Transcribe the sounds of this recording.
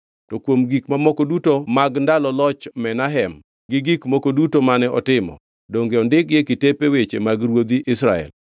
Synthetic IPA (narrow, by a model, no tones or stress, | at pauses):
tɔkwomɡikmamɔkodutomaɡndalɔlɔt͡ʃmɛnaɦɛm | ɡɪɡikmokodutomanɛɔtɪmɔ̰ | doŋɡeɔndɪkjekitepewet͡ʃemaɡɾwod̪iʔɪsɾa̰ɛ̰l